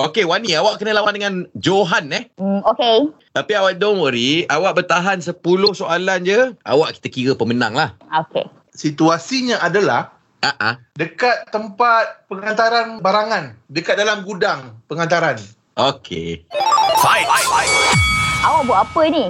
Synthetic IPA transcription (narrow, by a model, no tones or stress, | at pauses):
okewaniawaʔkənəlawan̚dəŋand͡ʒoɦanɛhoke | t̪apiawaʔ̚dɔŋmoɾiawaʔbərt̪aɦansəpulʊhsoaland͡ʒəʔa̰waʔki̥t̪əkiɾəpəməna̰ŋlahokḛ | sit̪uasiɲãʔadəlah | aʔa | dəkat̪ːəmpat̪̚pəŋant̪aɾanbaɾaŋandəkat̪̚dalamɡudaŋpəŋant̪̬aɾan | ʔokʰḛ | ajajaj | awaʔbuaʔapəni